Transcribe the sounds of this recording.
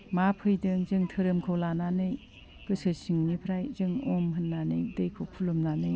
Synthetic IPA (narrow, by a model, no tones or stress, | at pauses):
mapʰɯjdɯŋzɯŋtʰɯɾɯmkʰolananɯj | b̥ɯsɯsɯŋnipʰɾajzɯŋɔmɦɯnːanɯjdejkʰokʰulomnanɯj